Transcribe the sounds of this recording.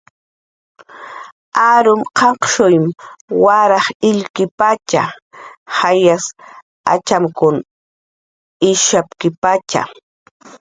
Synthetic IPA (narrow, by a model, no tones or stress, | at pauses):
aɾʊmqʰɑqʃʊjmwaɾɑχɪʎkɪpat͡ʃa | hajas | a̰t͡ʃamkʊn | ɪʃapkɪpat͡ʃa̰